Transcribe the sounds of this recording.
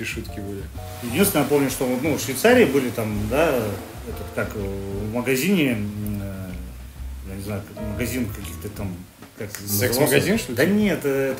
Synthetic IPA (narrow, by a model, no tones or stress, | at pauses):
iʂut̪kʲɪbɨlʲɪ | jɪdʲinsʲnəjapo̞mnʲʊʂt̪o̞nufʂvʲɪjt̪saɾʲɪːbɨlʲɪt̪amd̪a | ɛt̪ət̪kakvməɡɐzʲinʲɪ | janʲɪznajʊkməɡɐzʲinkɐkʲixt̪ət̪am | kaknəzɛkɨvsaməɡɐzʲinʂd̪ənʲet̪ɛt̪